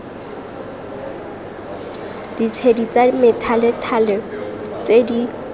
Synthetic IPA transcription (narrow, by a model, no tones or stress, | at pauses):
d̥it͡sʰedit͡sametʰalɪtʰalɛt͡sedi